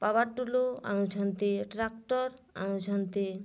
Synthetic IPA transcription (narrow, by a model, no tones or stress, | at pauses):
pabaɾʈuloa̰nud͡ʒʰʱant̪eʈɾak̚ʈɔɾa̰nud͡ʒʱant̪e